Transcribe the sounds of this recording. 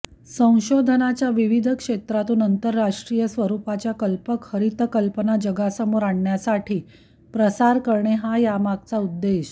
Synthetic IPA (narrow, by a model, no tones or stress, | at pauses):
sə̃w̃ɕod̪ʱənat͡ɕjaʋiʋid̪ʱəkʂet̪ɾat̪uːnənt̪əɾːaʂʈɾijəsʋəɾupat͡ɕjakəlpəkhəɾit̪kəlpənad͡ʑəɡasəmoɾaɳɳjasaʈʰiː | pɾəsaɾkəɾɳeɦajamaɡ̚t͡saud̪ːeɕ